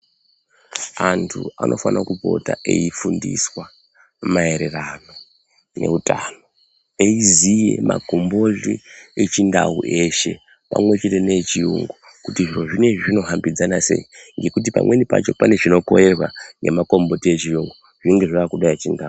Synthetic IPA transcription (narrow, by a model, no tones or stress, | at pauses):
antʰṵanʔo̞̰fanakupo̞̰ta̰ʔe̞ifundḭswa | mae̞ɾe̞rano̞ | ne̞̰utano̞ | eizije̞̰ma̰ɡʱo̞mbo̞ɮiet͡ʃindauʔe̞ʃe̞ | pa̰mwe̞t͡ʃe̞te̞ne̞t͡ʃiuŋɡo | kutiʐiro̞ʐine̞ʐino̞ɦambid͡zanase̞̰iŋɡe̞kut̬ipa̰mwe̞nipa̰t͡ʃo̞pane̞ʐino̞ko̞̰je̞rwaŋɡemako̞mbo̞tiet͡ʃijuŋɡo | ʐ̥iŋɡe̞ʐaakuɗajat͡ʃindau